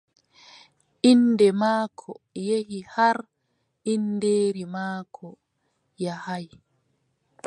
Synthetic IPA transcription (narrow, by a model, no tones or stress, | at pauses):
ʔindɛmaːkʰɔjehihaɾ | indeːɾimaːkʰɔ | jahaj